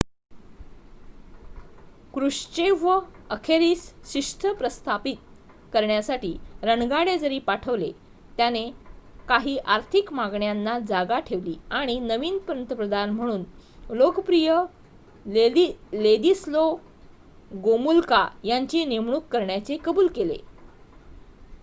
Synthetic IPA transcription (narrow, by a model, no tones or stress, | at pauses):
kɾuʂt͡ɕeʋəəkʰeɾiːsɕiʂʈ̪ʰəpɾəst̪ʰapit̪̚ | kəɾɳjasaʈiːɾəɳɡaɽed͡zəɾiːpaʈʰəʋle | t̪janekaɦiːʔaɾt̪ʰikmaɡɳjanːad͡zaɡaʈʰeʋliːaɽ̃inəʋiːnpəɾənt̪əpɾəd̪anm̤əɽ̃uːnlokəpɾijə | led̪islo | ɡomulkajaɲt͡ɕiːnemɳ̃uːkːəɾɳjat͡sekəbuːlkelḛ